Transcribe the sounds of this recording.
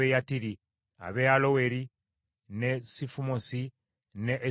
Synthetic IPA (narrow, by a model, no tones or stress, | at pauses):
ejatiɾi | a̰βealowe̞ɾi | nesifumosi | neʔː